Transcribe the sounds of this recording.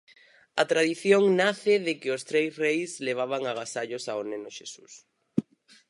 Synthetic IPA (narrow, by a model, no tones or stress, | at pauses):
ɐt̪ɾaðiθjoŋnaθɪðɪkɪost̪ɾejsrejsleβ̞aβ̞aŋaɣ̞asaʎʊsaonenoʃesus